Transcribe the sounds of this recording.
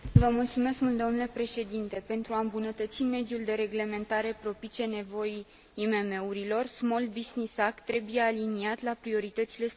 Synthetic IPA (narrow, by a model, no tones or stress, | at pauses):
vəmult̪sume̞skmult̪d̪o̞nule̞pɾe̞ʃe̞d̪int̪e̞pe̞nt̪ɾuaɨmbunət̪ət̪sime̞d̪juld̪e̞ɾe̞ɡle̞me̞nt̪aɾe̞pɾo̞pit͡ʃe̞ne̞vo̞jiː | me̞me̞uɾilo̞rsmo̞lbiznisakt̪ɾe̞buje̞aliniat̪lapɾio̞ɾit̪ət̪sile̞s